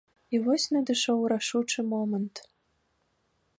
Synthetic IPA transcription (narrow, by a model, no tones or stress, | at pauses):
ivɔsʲnɐd̪ɨʃɔwɾaʂut͡ʂɨmɔmənt̪